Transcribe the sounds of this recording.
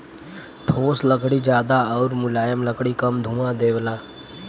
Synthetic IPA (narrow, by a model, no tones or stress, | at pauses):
ʈʰoːsləkɽid͡ʒjaːd̪aɔːɾmʊlaːjəmləkɽikəmd̪ʱũːmãd̪eːʋlaː